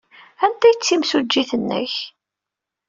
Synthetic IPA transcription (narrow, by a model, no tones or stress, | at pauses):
ænt̪æjət͡sːimsud͡ʒːiθənːə̰ç